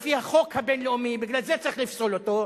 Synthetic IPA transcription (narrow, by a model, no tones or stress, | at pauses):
fihaχo̞khabenleomibiɡlalzet͡saʁiχlifsolot̪o